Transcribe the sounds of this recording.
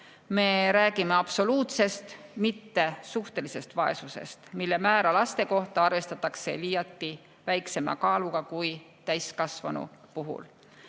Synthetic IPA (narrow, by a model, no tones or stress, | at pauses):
me̞ɾæːɡ̥imeɑpso̞luːt̪se̞st̪mit̪ːe̞suht̪e̞lise̞st̪vɑe̞̰suse̞̰st̪milːe̞mæːɾɑlɑst̪e̞ko̞ht̪ɑɑrve̞st̪ɑt̪ːˑɑkse̞̰liːjɑt̪ˑːi | væjkse̞mɑ̰kɑːluɡ̥ɑkuj | t̪æjskɑsvɑnṵpuɦṵl